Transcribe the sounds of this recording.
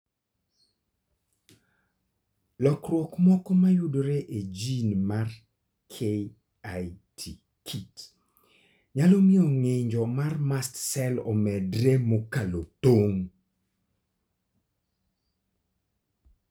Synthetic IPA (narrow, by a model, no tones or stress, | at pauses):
lɔkrwɔkmɔkɔmajʊdoɾeʔed͡ʒinmar | kʰe | atʰi | kʰit | ɲalɔmɪɔŋeɲd͡ʒɔmarmastsɛlɔ̰mɛdɾemokalot̪oŋ